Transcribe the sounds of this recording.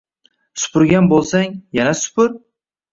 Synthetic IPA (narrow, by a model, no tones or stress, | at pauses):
sʊ̥pʰʊɾɡʲanbolˠsaŋjanasʊ̥pʊɾ